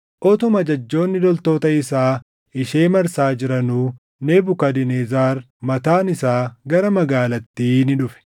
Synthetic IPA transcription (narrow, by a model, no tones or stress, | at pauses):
ʔɔt̪ɔmɐd͡ʒɐd͡ʒːo̞ːnːɪd̪ɔlt̪o̞ːt̪ɐɪsaː | ɪʃeːmɐɾsaːd͡ʒɪɾɐnuː | neːbʊkɐd̪ɪneːzaːɾ | mɐt̪aːnɪsaːɡɐɾɐmɐɡaːlɐt̪ːiːnɪᶑʊfɛ̥